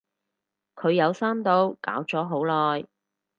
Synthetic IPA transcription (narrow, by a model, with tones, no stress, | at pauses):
kʰɵ˨˧ɥjɐ˨˧wsaː˥mt̪o˨˧wka̰ː˨˥wt͡sɔː˨˥ɦo˨˥wlɔː˨j